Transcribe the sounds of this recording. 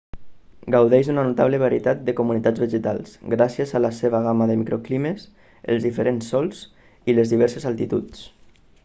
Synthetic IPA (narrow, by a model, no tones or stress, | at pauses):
ɡawðɛjʒðunanut̪aβləβaɾiət̪at̪̚d̪əkumunit̪ad͡zβeʒət̪a̰lˠsɡɾasjəzalaseβ̞aɣ̞amaðəmikɾoklimes | ə̰lˠzðifəɾensːɔlˠs | ilezðiβɛɾsəzalˠt̪it̪ut͡s